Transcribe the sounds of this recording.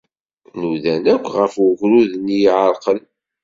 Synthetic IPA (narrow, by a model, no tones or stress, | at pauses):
nuðænækʷːʁəfʊʝɾuðnjʕəɾˤqən